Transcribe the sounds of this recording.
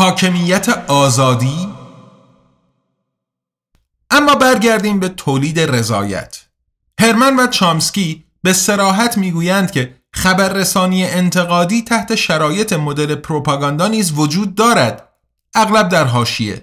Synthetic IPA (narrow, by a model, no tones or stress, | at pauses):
hɒːcʰe̞miːjːæt̪ʰeɒːzɒːd̪iː | ʔæmːɒːbæɾɟæɾd̪iːmbe̞t̪ʰoːliːd̪ere̞zɒ̰ːjæ̰t̪ʰ | he̞ɾmænvæt͡ʃʰɒːmscʲiː | bese̞ɾɒːɦæt̪ʰmiːɡuːjænd̪̥̚cʰe | χæbæɾːesɒːniːjeʔent̪ʰe̞ɣɒːd̪iːt̪ʰæht̪ʰe̞ʃæɾɒːje̞t̪ʰe̞mo̞d̪e̞le̞pʰɾopʰɑːɡɒːnd̪ɑːniːzvod͡ʒuːd̪̚ːɒːɾæd̪̥ | ʔæɣlæb̚d̪æɾɦɒːʃiḛ